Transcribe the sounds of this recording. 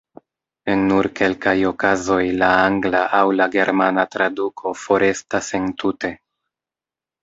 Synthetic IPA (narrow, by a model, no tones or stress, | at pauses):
e̞nːuɾke̞lkajo̞kazo̞jlaaŋɡlaʔawlaɡe̞ɾmanatɾadukʰo̞fo̞ɾe̞stase̞ntute̞